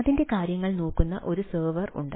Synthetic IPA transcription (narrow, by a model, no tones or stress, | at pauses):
ɐðinde̞kaːɾjɐŋːɐɭnoːkːunːɐʔo̞ɾusɐːʋɐrṵɳɖɐ